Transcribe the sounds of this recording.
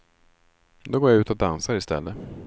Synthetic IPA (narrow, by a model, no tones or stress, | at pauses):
d̪ɔɡoːɾjaʉ̟ːt̪ɔd̪ansaɾɪst̪ɛ̰lːə